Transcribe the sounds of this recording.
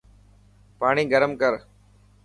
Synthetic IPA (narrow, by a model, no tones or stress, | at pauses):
paːɳiːɡəɾəmkəɾ